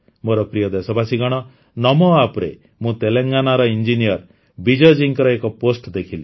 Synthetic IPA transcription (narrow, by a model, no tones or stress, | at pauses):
moɾɔpɾijɔd̪esɔbasiɡɔɽ̃ɔ | nɔmɔapɔɾe | mũt̪eleŋɡanaɾɔind͡ʒinijɔɾ | bid͡ʒɔd͡ʒiŋkɾɔekɔposʈd̪ekʰili